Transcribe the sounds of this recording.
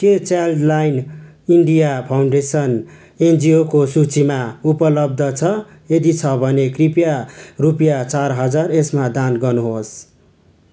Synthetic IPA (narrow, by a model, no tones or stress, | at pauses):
ket͡saldlajn | iɳɖijapʰawɳɖesʌn | end͡ziokosut͡simaupʌlʌb̚d̪ʱʌt͡sʰʌ | ed̪it͡sʰʌbʱʌnekripjarupjat͡sarɦʌd͡zaresmad̪anɡʌnuɦos